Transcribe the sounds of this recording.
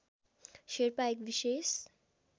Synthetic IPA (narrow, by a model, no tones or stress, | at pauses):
ʃeɾpaekbiʃes